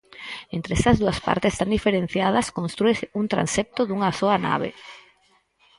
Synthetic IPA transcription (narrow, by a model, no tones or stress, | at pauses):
ent̪ɾeɛsɐzðuɐspa̰ɾt̪est̪and̪ifeɾen̟θjað̞ɐskonst̪ɾuesunt̪ɾa̰nsep̚t̪ʊðuŋɐsoɐna̰β̞ḛ